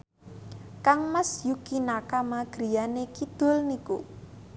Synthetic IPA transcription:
kaŋmasjukinakamaɡ̥ɾi̤janekid̪̥o̤lniku

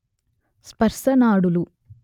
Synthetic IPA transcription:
spɐɾsɐnaːɽulu

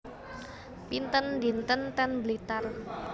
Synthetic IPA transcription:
pint̪əndint̪ənt̪ɛnblit̪ar

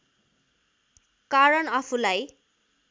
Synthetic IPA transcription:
kaɾʌnʌpʰulaj

